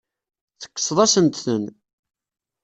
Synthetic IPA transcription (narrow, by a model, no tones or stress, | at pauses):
θə̥kːə̥sˤðˤɑsənt̪θən